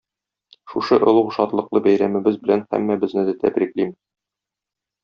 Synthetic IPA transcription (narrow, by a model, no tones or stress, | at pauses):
ʃuʃɤʔŏlˠuqʃɒt̪lˠɤ̆qlˠɤbæjɾæmɘ̆bɘzbɘ̆lænhæ̰mːæbɘ̆znɘd̪ɘt̪æ̰bɾiklim